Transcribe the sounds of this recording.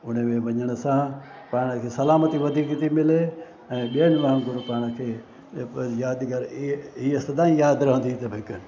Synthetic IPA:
ʊn̤əmẽʋɐɲəɽ̃əsã | paːɽ̃əkʰeːsɐlaːmət̪iʋɐd̪ʱikit̪imɪle | ɛ̃ːɓiənʋaɦənɡʊɾpaːɽ̃əkʰeː | jaːd̪iɡɐɾiest̪ɐd̪ãːĩjaːd̪ɾɐɦʊ̃nd̪it̪ɐbɦɪk

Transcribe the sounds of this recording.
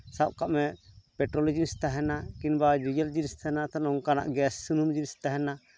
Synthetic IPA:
saʔ̚kaʔmɛpɛʈɾɔlid͡ʒinist̪aɦɛnakinbad͡ʒid͡ʒɛld͡ʒinist̪aɛnat̪anɔŋkana̰ʔɡɛsːunumd͡ʒinist̪aɦɛna

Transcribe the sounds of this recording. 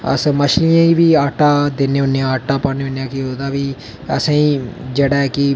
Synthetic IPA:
ə̰sməʃlijãːiːbiːaːʈaːd̪eːneːʊnːeãːaːʈːaːpaːneʊnːeãːkiɦoːd̪aːʋiː | ə̰sãːĩːd͡ʒeːɽaːɛːkɪ

